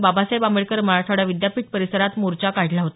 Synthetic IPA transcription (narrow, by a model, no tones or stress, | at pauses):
babasajbameɭkəɾməɭatʰaɽaʋid̪japiːʈ̪̚pəɾisəɾat̪moɾt͡ɕakaɽ̤laɦot̪